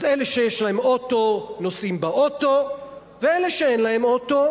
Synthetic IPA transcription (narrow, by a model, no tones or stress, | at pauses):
eleʃejeʃlaemo̞t̪o̞nosimbaʔot̪o̞ | veeleʃeenlaɦemot̪o̞